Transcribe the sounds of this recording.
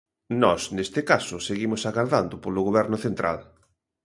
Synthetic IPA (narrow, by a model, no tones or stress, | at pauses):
nɔsnest̪ɪkasʊseɣimʊsaɣaɾðand̪ʊpolʊɣoβɛɾnʊθent̪ɾʔa̰l